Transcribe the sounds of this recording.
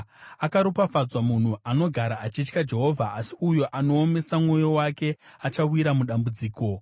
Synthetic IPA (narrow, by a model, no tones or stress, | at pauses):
akaɾupafad͡zwamun̤uʔano̞ɡʱaɾaːt͡ʃit͡ʃkad͡ʒe̞ɦo̞vʱa̰ːsiujo̞ʔano̞ːme̞samŋo̞jo̞wake̞at͡ʃawiɾamuɗambud͡ziːko̞